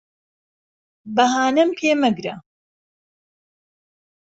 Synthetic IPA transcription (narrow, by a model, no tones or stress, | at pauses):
bɐɦaːnɐmpʰeːmɐɡɾɐ